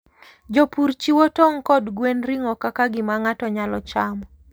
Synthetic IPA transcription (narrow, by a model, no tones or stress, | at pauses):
d͡ʒopuɾt͡ʃiwɔtɔŋkɔdɡwenɾiŋɔkakaɡɪmaŋatɔɲalɔt͡ʃamɔ